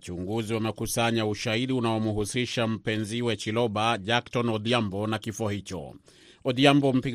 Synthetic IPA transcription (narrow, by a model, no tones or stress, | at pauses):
t͡ʃuŋɡuziwamɛkusaɲauʃaiɗiunaɔmuɦusiʃam̩pɛnziwɛt͡ʃilɔɓaʄaktɔnɔdiambɔnakifɔhit͡ʃɔ̰ | ɔdiambɔm̩pi